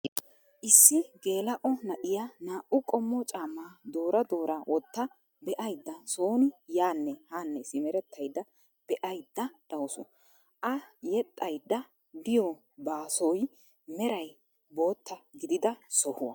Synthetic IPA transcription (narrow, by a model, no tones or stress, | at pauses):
ʔɪsːɪɡe̞ːlɐʔɔnɐʔɪjɐnaːʔʊkʼɔmːɔt͡ʃʼaːmːaːd̪oːɾɐd̪o̞ːɾawʔɔt̪ːɐ | bɛʔɐjd̪ːɐsoːnʊjaːnːɛhanːɛsɪmɛɾɛt̪ːɐjd̪ːɐ | b̥ɛʔɐjd̪ːɐd̪̥ɐwsɔ̰ | ʔɐjɛt̪ʼːɐjd̪ːɐ | d̪ɪjɔ | baːsɔj | mɛɾɐj | bo̞ːt̪ːɐɡɪd̪ɪd̪ɐsɔhʊwɐ̰